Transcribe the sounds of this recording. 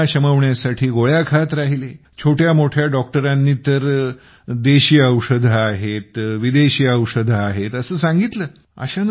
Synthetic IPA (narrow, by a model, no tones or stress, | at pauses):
aɕəməʋɳjasaʈʰiːɡoɭjakʰat̪ɾaɦile | t͡ɕʰoʈjamoʈʰjaɖɔk̚ʈəɾanːiːt̪əɾ | d̪eɕiːəwʂəd̪ʱaaɦet̪ʋid̪eɕiːəwʂəd̪ʱaaɦet̪əsəːsãŋɡit̪ləː | ə̰ɕan